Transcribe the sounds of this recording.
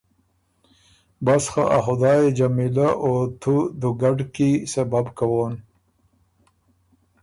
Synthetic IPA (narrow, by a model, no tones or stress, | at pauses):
basxaʔaxʊd̪ɑːjed͡ʒamilaʔot̪ʰud̪uɡaɖkisababkawoːn